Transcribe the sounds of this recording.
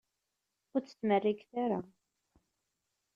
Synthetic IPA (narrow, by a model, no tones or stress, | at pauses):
ʊɾt͡sːə̥t͡sːmərːikθaɾa